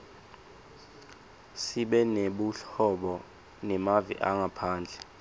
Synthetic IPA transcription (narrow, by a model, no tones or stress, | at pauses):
siɓɛneɓuɬɔɓɔ | nɛmavḭʔaŋapʰaːnd͡ɮʱɛ